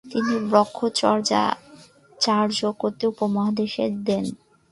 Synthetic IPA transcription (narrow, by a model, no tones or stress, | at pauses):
t̪inibɾɔkʰːot͡ɕɔɾd͡ʑa̰ | t͡ɕaɾd͡ʑokoɾt̪ːeupomaɦad̪eʃeɾd̪ɛn